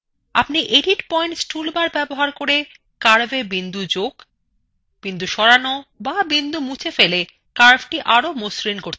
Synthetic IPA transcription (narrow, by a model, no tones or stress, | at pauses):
a̰pniʔeɖiʈpɔjɳʈsʈulbaɾbɛboɦaɾkoɾe | kaɾbebind̪ud͡ʑoɡ | b̥ind̪uʃɔɾanobabind̪umut͡ɕʰefele | kaɾbʈiʔaɾomosɾinkoɾ